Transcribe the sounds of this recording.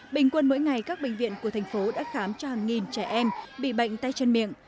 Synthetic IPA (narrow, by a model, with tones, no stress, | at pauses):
ɓï˨˩ŋ̟kwə˧nmo̰˧˥jŋa˨˩jkaː˦˥k̚ɓï˧˨ŋ̟vḭ˧˨nku˧˩ət̪ʰjŋ̟fo˨˦ɗa̰ː˧˥xaː˨˦mt͡ɕɔ˧haː˨˩ŋŋi˨˩nt͡ɕɛ˧˩ʔɛ˧mɓḭ˧˨ɓə̰˧˨jŋ̟t̪a˧jt͡ɕə˧nmḭ˧˨əŋ